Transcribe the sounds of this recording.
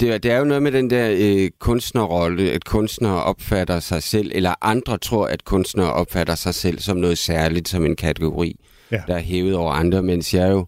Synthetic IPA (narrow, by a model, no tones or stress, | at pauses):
d̥e̝d̥e̝æɐjo̝nɔ̽ːð̞̩ˠmed̥end̥ɛɐ̰kʰɔ̽nsd̥nɐʁɒ̽ləæd̥kʰɔ̽nsd̥nɐːʔɒ̽b̥fæɾ̥ɐsɑ̈ɪsel̰ʔelɐʔɑ̈nd̥ʁɐt͡sʰʁo̝ɐ̰ʔæd̥kʰɔ̽nsd̥nɐːʔɒ̽b̥fæɾ̥ɐsɑ̈ɪsel̰sɒ̽mnɔ̽ːð̞̩ˠsæɐlid̥sɒ̽me̝nkʰæt͡sʰeɡ̥o̝ʁḭː | d̥ɑ̈æɐɦeːʊð̩ˠɒʊɐʔɑ̈nd̥ʁɐmen̰sjɑ̈ɐjo̝